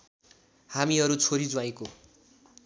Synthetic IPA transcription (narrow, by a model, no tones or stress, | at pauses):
hamiʌɾut͡sʰoɾid͡zuwaj̃ko